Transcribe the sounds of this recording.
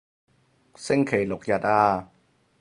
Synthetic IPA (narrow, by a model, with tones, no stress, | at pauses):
sɪ˥ŋkʰe˨˩jlʊ˨k̚jɐ˨t̚ʔaː˧